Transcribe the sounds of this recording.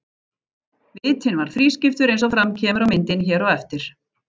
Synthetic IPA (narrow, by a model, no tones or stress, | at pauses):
vɪːt̪ʰɪnvaɾ̥fɾiːscɪft̪ʏɾejnsɔfɾamcʰɛːmʏɾawmɪnt̪ɪnçɛːɾɔɣɛft̪ɪɾ̥